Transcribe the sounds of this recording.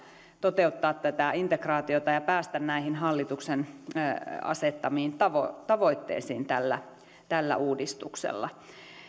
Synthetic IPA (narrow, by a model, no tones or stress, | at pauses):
t̪ot̪eut̪ːɑːt̪t̪æt̪æint̪ekrɑːt̪iot̪ɑjɑpæːst̪ænnæihinɦɑlːit̪uksen | ɑ̰set̪ːɑmiːnt̪ɑʋo̰t̪ɑʋoit̪ːḛːsḭːnt̪ælːæ | t̪ælːæ̰ʔuːdist̪uksḛlːɑ̰